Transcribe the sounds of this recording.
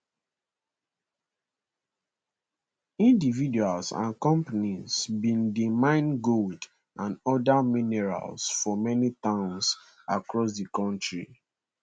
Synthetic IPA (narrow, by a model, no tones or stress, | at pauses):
ĩndividualsã̰nkɔ̃mpanizbĩndimãɪ̃nɡold | ʔãnɔdaminɛɹa̰lsfɔmɛnitãʊ̃ns | akɹɔs̬dikɔ̃ntɹḭ